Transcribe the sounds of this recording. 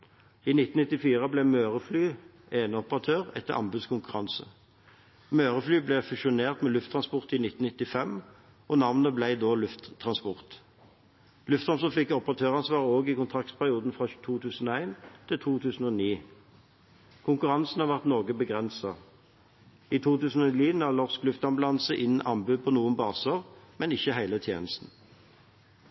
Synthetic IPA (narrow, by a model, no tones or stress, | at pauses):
iːnɪt̪n̩nɪt̪ːɪfiːʁəblɛmøːʁəflyː | eːnəɔpəʁɑt̪ʰøːʁɛ̰t̪ːəʁʔɑ̰mbʉd̪skʊŋkʉʁɑnsə̰ | møːʁəflyːblɛfʉʃʊneːʁt̪mɛːlʉft̪ʰʁɑnspɔʁt̪ɪːnɪt̪n̩ɪt̪ːɪfɛm | ʔɔnɑʋnəblæɪd̪oːlʉft̪ʰːʁɑnspɔʁt̪ | lʉft̪ɑnsəfɪkːɔpəʁɑt̪ʰøːʁɑnsʋɑːʁəoːɡiːkʊnt̪ʰʁɑkt̪pʰæʁɪuːd̪n̩fʁɑt̪ʰuːt̪ʰʉːsn̩oːæɪnt̪ʰɪlt̪ʰuːt̪ʰʉːsn̩oːniː | kʰʊŋkʉʁɑnsn̩hɑʁʋæʁt̪nɔʁɡəbəɡʁɛnsɑ | iːt̪ʰuːt̪ʉːsn̩ɔliːnælɔʁsklʉft̪ɑmblɑnsəʔɪnʔɑmbʉːpʰɔnuːənbɑːsəʁmɛnɪçːəɦæɪlət̪ʰjḛːnəst̪n̩